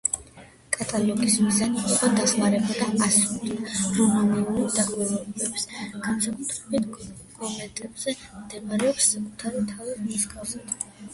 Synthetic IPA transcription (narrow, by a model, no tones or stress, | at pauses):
kʼat̪ʼalˠɔɡʼismizaniːqʼɔd̪aχmaɾɛbad̪aasud̪iɾumaniulid̪aʁɛlˠɔbɛpsɡ̥ansakʼut̪ʰɾɛbit̪ʰ | ɡ̥ɔmɛt̪ʼɛbz̥ɛmd̪ɛmaɾɛɔpsːakʼut̪ʰaɾit̪ʰavimuʃkʼʰasad̪̥